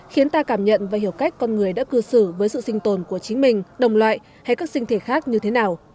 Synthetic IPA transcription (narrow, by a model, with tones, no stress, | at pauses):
xi˨˦ənt̪aː˧kaː˧˩mɲə̰˧˨nvaː˨˩hi˨˩əwka˦˥jk̟̚kɔ˧nŋɨ˨˩əjɗa̰ː˧˥kɨ˧sɨ˧˩vəː˨˦jsɨ̰˧˨sï˧ŋ̟t̪o˨˩nku˧˩ət͡ɕi˨˦ŋ̟mï˨˩ŋ̟ɗə˨˩wŋ͡mlwa̰ː˧˨j | ha˧jkaː˦˥k̚sï˧ŋ̟t̪ʰe˧˩xaː˦˥k̚ɲɨ˧t̪ʰe˨˦naː˨˩w